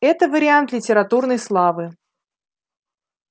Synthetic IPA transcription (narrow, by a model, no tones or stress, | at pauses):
ɛt̪əvəɾʲɪant̪lʲɪtʲɪɾɐt̪urnəjslˠavɨ